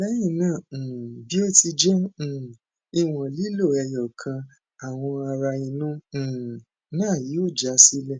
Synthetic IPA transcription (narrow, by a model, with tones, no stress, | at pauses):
lɛ˦jĩ˦˨nãː˦˨bi˨˦o˦˨ti˧d͡ʒɛ̃˦˨ | i˧w̃ɔ̃˨li˦lo˦˨ɛ˧˨jɔ˨kʰã˧ | a˨w̃ɔ̃˧a˧ɾa˧ĩ˧nũ˦˨ | nãː˦˨ji˨˦o˦˨d͡ʒa˨˦si˦lɛ˦˨